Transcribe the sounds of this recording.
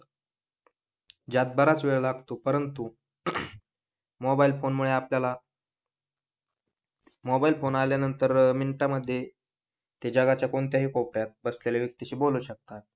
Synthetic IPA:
d͡ʑat̪̚bəɾat͡sʋeɭlaɡt̪opəɾənt̪u | mɔbailfonmuɭeapljala | mɔbailfonaljanənt̪əɾminʈaməd̪ʱːje | t̪ed͡ʑaɡat͡ɕjakoɳt̪jaɦiːkopɾjat̪̚bəsleleʋjək̚t̪iɕiːboluɕək̚t̪at̪̚

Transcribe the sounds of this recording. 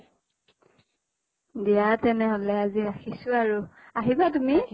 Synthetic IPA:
dijatɛnɛɦolɛaziaxisʊaɹuaɦibatumi

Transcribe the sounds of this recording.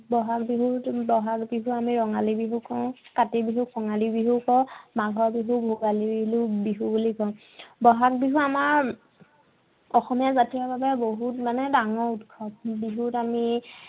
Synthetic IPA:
bɔɦak̚biɦutbɔɦakbiɦuamiɹɔŋalibiɦukɔʊ̃katibiɦukʰɔŋalibiɦukɔ̃maɡʱɔɹbiɦubʱuɡalilubiɦubulikɔ̃ʊ̃ | bɔɦak̚biɦuamaɹ | ɔxɔmijazatijɔbabɛboɦutmanɛdaŋɔɹutkʰɔpbiɦutami

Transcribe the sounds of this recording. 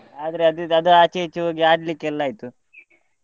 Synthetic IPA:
aːd̪ɐɾeɐd̪uɐd̪uaːt͡ʃejit͡ʃːuɦoːɡiaːɖlikːɛlːaːjit̪u

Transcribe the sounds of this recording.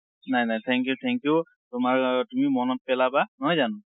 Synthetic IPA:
najnajt̪ʰɛŋkjut̪ʰɛŋkiju | tʊmaɹtumimɔnɔt̚pɛlabanɔɦjzanʊ̃

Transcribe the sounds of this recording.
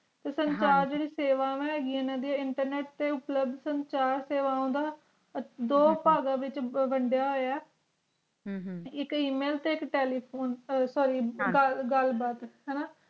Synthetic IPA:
t̪eːsənt͡ʃaːɾd͡ʒeːɽiːseːʋaːʋɛ̃ːɦɛːɡiːɛːnãːd̪iːɛːɪɳʈəɾneːʈt̪eːʊpləb̚d̪səɲt͡ʃaːɾseːʋaːõːnd̪aː | d̪oːpaːɡãːʋɪt͡ʃbəɳɖjaːɦoːjaː | ɪkiːmeːlt̪eːɪkʈeːliːpʰoːnsɔːɾiːɡəɡəlbaːt̪ɦɛːnaː

